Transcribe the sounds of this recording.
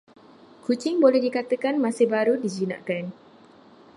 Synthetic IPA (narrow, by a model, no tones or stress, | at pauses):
kut͡ʃɪŋbolɛhdikat̪əkanmãsɪhbaɾudid͡ʒinã̰ʔkan